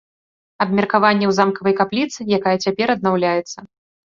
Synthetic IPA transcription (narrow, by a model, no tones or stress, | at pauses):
ɐbmʲɛrkavanʲːɛwzamkɐvɐjkaplʲit̪sɨjakajɛt͡sʲapʲɛɾɐd̪̚nawlʲajɛt̪sːɐ